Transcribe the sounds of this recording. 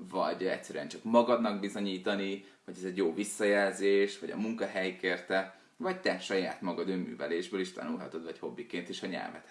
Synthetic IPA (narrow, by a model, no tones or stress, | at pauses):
vɒ̰ɟɛ̰csːɛɾyɛnt͡ʃɒkmɒɡɒd̪nɒɡbizo̞ɲiːt̪ɒni | ʋɒɟɛzɛɟjoːvisːɒjɛlzeːʃʋɒɟɒ̰muŋkɒɦɛjkeːrt̪ɛ | vɒc̚t̪ɛʃɒja̰ːt̪mɒɡɒd̪øːmːy̰ːvɛleːʒbøːliʃt̪ɒ̰nulɦɒ̰t̪o̞d̪vɒcho̞bːikeːnt̪eːʃɒɲɛ̰lvɛ̰t̪